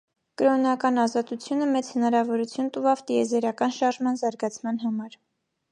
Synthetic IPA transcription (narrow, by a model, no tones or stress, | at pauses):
kəɾɔnɑkɑnɑzɑt̪ut͡sʰjunəmɛt͡shənɑɾɑvɔɾut͡sʰjunt̪uvɑvt̪iɛzɛɾɑkɑnʃɑɾʒmɑnzɑɾɡɑt͡sʰmɑn̪ɦɑmɑɾ